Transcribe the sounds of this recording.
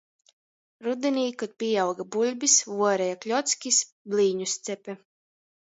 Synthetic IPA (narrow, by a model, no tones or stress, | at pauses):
ɾud̪ɛnʲiːkɔt̪̚pʲijawɡabulʲbʲisvuɔɾɛjaklʲɔt̪sʲkʲis | blʲiːɲust̪sɛpʲɛ